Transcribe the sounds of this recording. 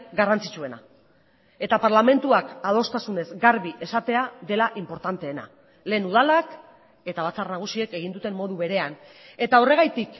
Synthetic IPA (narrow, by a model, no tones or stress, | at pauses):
ɡarant͡sit͡ʃue̞na̰ | e̞t̪apaɾlame̞nt̪uakað̞o̞st̪asune̞zɡaɾβiʔe̞sat̪e̞aðe̞laʔimpo̞ɾt̪ant̪e̞ːna̰ | le̞ːnuð̞alak | e̞t̪aβ̞at͡sarnaɣ̞usie̞ke̞ɣ̞ind̪ut̪e̞mmo̞ðuβe̞ɾe̞an | e̞t̪ao̞re̞ɣ̞ajt̪ik